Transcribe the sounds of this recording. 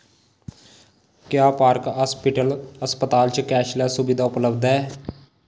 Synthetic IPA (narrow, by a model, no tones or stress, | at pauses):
kjaːpaːɾkɦaːspɪʈəlɦəspət̪aːlt͡ʃkɛːʃlaːsʊbid̪aːʊpləbd̪ɛː